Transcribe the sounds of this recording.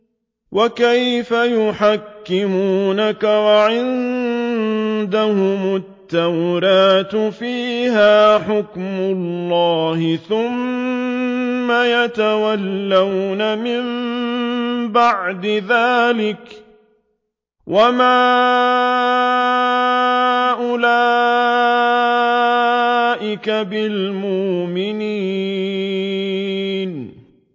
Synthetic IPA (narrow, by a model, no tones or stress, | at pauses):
wʔakajfajʊħakːɪmuːnakawaʕɪnn | d̪ahʊmʊt̪ːawɾaːt̪fiːɦaːħʊkmʊlːɑːhɪθʊm | ajat̪awalːawnamɪm | baʕd̪ɪðaːlɪk | wʔamaː | ʔʊlaː | ʔɪkabɪlmʊʔmɪniː | n